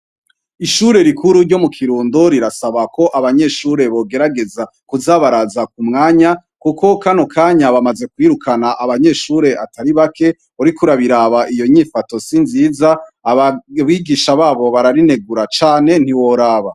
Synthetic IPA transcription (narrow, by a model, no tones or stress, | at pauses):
iʃuɾe̞ɾikʰuɾuɾɟo̞mukʰiɾuːndoɾiɾasaβako̞ʔaβaɲe̞ʃuɾe̞βo̞ɡe̞ɾaɡe̞za | kuzaːβaɾazak̚umŋaːɲa | kuko̞kanokaːɲaβamaze̞kwiːɾukʰanaʔaβaɲe̞ʃuɾe̞ʔatʰaɾiβakʰe̞ | oɾikuɾaβiɾaβaʔijo̞ɲifato̞sinziːzaaβaβiːɡiːʃaβaːβo̞βaɾaɾine̞ɡuɾat͡ʃaːne̞n̥iwo̞ɾaːβa